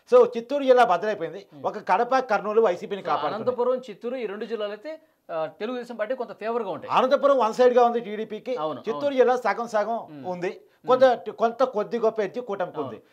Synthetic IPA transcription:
soːt͡ʃit̪ːuːɾud͡ʒilːaːbɐd̪ɐlɐjpoːind̪iɔkɐkɐɽɐpɐkɐɾnuːluʋɐjsiːpiːnikaːpaːɽnɐnt̪ɐpuːɾʋɐmt͡ʃit̪ːuːɾuiːɾeɳɖud͡ʒilːaːlɐt̪e | t̪eluɡud̪ɛːsɐmpaːʈ̬ikont̪ɐpʰeːʋɐɾɡaːuɳʈaːɐnɐnt̪ɐp̬uːɾɐmʋɐnsɐjɖɡaːund̪iʈiːɽiːpiːkint͡ʃiːuːɾd͡ʒilːaːsɐːɡɐmsaːɡɐmund̪i | kont̪ɐkont̪ɐkod̪ːiɡɔpːeːɾt͡ʃːikuːʈɐmkund̪ḭ

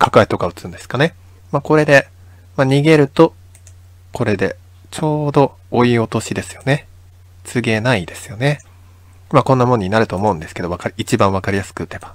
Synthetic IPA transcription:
kʰakɯ̟ait̪o̞kaɯ̟t͡sɨɨ̃nd̪e̞sɨ̥kane̞ | mako̞ɾe̞d̪e̞ | maɲ̟iɡe̞ɾɯ̟t̪o̞ | ko̞ɾe̞d̪e̞ | t͡ɕo̞ːd̪o̞ː | io̞t̪o̞ɕid̪e̞sɨ̥jo̞ne̞ | t͡sɨɡe̞naid̪e̞sɨ̥jo̞ne̞ | makõ̞nːamoɲ̟inaɾɯt̪o̞ːmo̞ɯ̃nd̪esɨ̥ke̞d̪oakaɾʲit͡ɕibãɰ̃βakaɾʲijasɨ̥kɯɯt̪ːe̞b̥ḁ

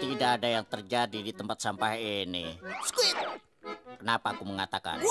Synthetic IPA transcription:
t̪idaːdajaŋt̪ərd͡ʒadidit̪əmpat̪̚sampahinɪski | kənapaːkuməŋat̪aka̰n

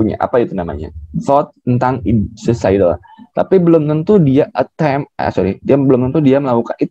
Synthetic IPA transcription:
uɲa̰ʔa̰pait̪unama̰ɲa̰θɔt̪̚ːənt̪aŋisəsaidəl | t̪apibəlomt̪ənt̪udiaʔət̪ːam̰a̰soɾidiabəlʊmt̪ənt̪udiaməlakukanit̪

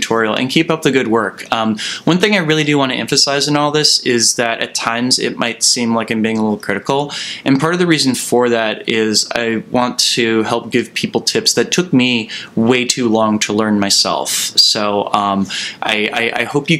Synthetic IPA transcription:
tʰɔɹil̩ˠɨ̰̃nkʰipʌp̚ðɨɡʊd̚wɜ˞kʌ̃mwʌ̃nθɪ̃ŋaɪɹɪlˠidɨwɑ̃ntʰɨʔɛ̰̃ɱfɨsaɪzɨ̃nɔlˠðɪsɪzðɨɾʔɨ̰tʰãɪ̃mzɪ̰t̚maɪtsĩmlaɪkãɪ̃mbiɪ̃ŋəlɪɾl̩ˠkʰɹ̥ɪɾɨkl̩ˠʔɨ̃npʰɑɹɾʌvðɨɹiz̃n̩fə˞ðæɾɪza̰ɪwɑ̃ntʰɨhɛlˠp̚ɡ̥ɪv̥pʰipl̩ˠtʰɪpsðɨtʰʊk̚miweɪtʰʉlɔ̃ŋtʰəlɜ̃˞nmaɪsɛ̰lˠfsoʊʔʌ̃mʔa̰ɪʔa̰ɪʔa̰ɪhoʊpjɨ

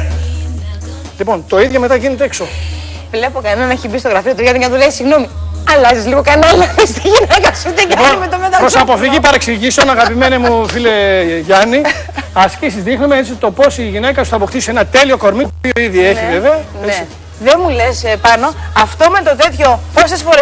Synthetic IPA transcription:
lipo̞nt̪o̞iðʝome̞t̪ɐʝinet̪eekso | vle̞po̞kɐnenɐneçibist̪oɣɾɐfiot̪uʝɐnikɐnɐt̪uleisiɣno̞miɐlɐzizliɣokɐnɐlɐist̪iʝinekɐsut̪ikɐomet̪omot̪ɐpɾosɐpo̞fiʝipɐɾeksiʝisonɐɣɐpime̞nemufileʝɐni | ɐscisizðixnumeet͡sit̪o̞po̞siʝine̞kɐsu̥θɐːpo̞kt̪isenɐt̪e̞lio̞ko̞ɾmit̪opioiðjieive̞veɐnet͡sei | ðemule̞spɐno̞ɐft̪o̞me̞t̪o̞t̪e̞t̪ço̞po̞se̞sfo̞ɾe

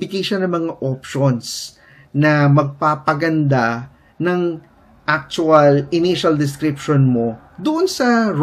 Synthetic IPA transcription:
ɪɡɐjʃɐnɐŋmɐŋaʔopʃons | nɐmɐɡ̚paːpɐɡɐnd̪a | nɐŋ | ʔak̚t͡ʃʊɐlɪniʃɐld̪ɪs̬kɾɪpʃonmo̞ | d̪ʊʔonsɐ

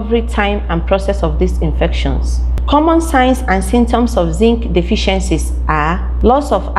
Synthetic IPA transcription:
vɹitʰãɪ̃mãnpʰɹɔsɛsɔvðisĩnfɛkʃɔ̰̃ns | kʰɔmɔ̃nsãɪ̃nsãnsĩmtʰɔ̃msɔfzĩŋkdifiʃɛ̃nsis | ʔa | lɔsɔv

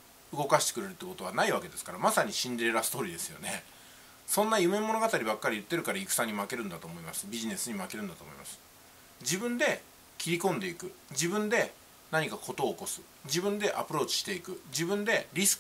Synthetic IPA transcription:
ɯ̟ɡo̞kaɕi̥t̪e̥kɯɾe̞ɾɯt̪ːeko̞t̪o̞anaiβake̞d̪e̞sɨ̥kaɾamasaɲ̟iɕĩnd̪eɾeɾasɨ̥t̪o̞ːɾʲid̪esɨ̥jo̞̰ne̞ | sõ̞nːajɯ̟me̞mo̞no̞ɡat̪aɾʲibakːaɾʲijɯ̟t̪ːe̞ɾɯ̟kaɾaikɯ̟̥sãɲ̟ːimake̞ɾɯ̟̃nd̪at̪o̞ːmo̞imasɨ̥bʲiʑine̞sɨɲ̟imake̞ɾɯ̟̃nd̪at̪oːmoḭmasɨ̥ | d͡ʑibɯ̟̃nd̪e̞ | kʲiɾʲikõ̞nd̪e̞ikɯ̟d͡ʑibɯ̟̃nd̪e̞ | naɲ̟ikakʰo̞t̪o̞ːko̞sɨ̥ | d͡ʑibɯ̟̃nd̪e̞ʔa̰pɯ̟ɾo̞ːt͡ɕi̥ɕi̥t̪e̞ikɯ̟d͡ʑibɯ̟̃nd̪e̞ɾʲisɨ̥

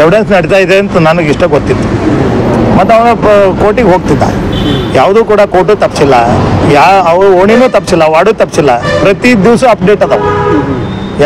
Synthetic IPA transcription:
eʋiɽensnɐɽit̪ajid̪eɐnt̪unanuɡiʂʈɐɡot̪ːit̪ːu̥ | mɐt̪ːɐʋnɐkoːʈiɡɦoːɡ̚t̪it̪ːa̰jaːʋd̪uːkuːɽakoːʈ̬uːt̪ɐpsilːajaɐʋɾuoɳ̃inuːt̪ɐpsilːaʋaːɽuːt̪ɐpsilːapɾɐt̪id̪iʋsuːɐp̚ɖeːʈɐt̪ɐʋu

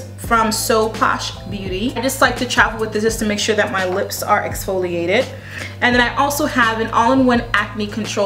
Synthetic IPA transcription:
fɹʌ̃msoʊpʰɑ̰ʃbjʉɾiaɪd͡ʒʌstˡlaɪk̚tʰɨtʰɹ̥ævl̩ˠwɨðɪɨstʰɨmeɪkʃʊɹðɨt̚maɪlɪpsə˞ʔɛ̰ksfoʊlˠieɪɾɪd | ɨ̃nðɨ̃naɪʔɔlˠsoʊəvɨ̃nʔɔlˠə̃nwʌ̃næk̚mikʰɨ̃ntʰɹ̥oʊ

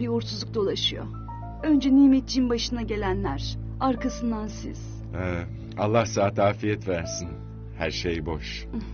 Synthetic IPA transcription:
biuɾt̪ʰuzˠuk̚d̪o̞lˠaʃɯjo̰ | ø̞nd͡ʒɛniːmet̪̚ːt͡ʃiimbaʃɯnaɟe̞lʲænlʲæɾ̥ | aɾkʰasɯnd̪ansḭz̥ | ɛ | alˠːahsaːt̪aːfijɛt̪væɾsin | hæɾʃejboʃ

